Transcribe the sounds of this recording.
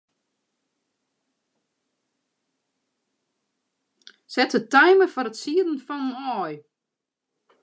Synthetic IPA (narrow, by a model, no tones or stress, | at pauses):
sɛtətɛjməfɔɾətsiədən̩fɔnənɔːj